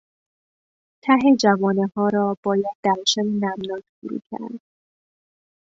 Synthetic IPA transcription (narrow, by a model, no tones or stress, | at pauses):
t̪ʰæɦe̞d͡ʒævɒːnehɒːɾɒːb̥ɒːjæd̪̚ːæɾʃænenæmnɒːt̪fuɾṵːcʰæ̰ɾd̪̥̚